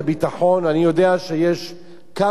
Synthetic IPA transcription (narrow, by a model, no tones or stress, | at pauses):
bitaħo̞nanijo̞deaʃejeʃ | ka